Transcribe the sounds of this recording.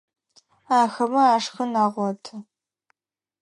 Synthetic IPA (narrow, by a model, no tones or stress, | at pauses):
aːxɐmɐaːʂxɐnaːʁʷɔtʰɐ